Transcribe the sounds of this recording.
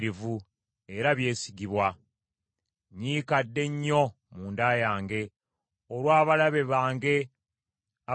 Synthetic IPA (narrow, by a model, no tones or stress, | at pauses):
ɾivu | e̞ɾaβje̞ːsiɡiβwa | ɲiːkadːe̞ɲːo̞ | muːndaːjaːŋɡe̞ | olwaːβalaβe̞βaːŋɡe̞ | a